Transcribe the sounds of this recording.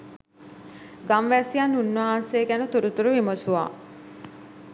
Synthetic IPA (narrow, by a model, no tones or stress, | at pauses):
ɡamʋæsijanːunːaɦanseːɡænut̪uɾut̪uɾuʋimosuʋa̰ː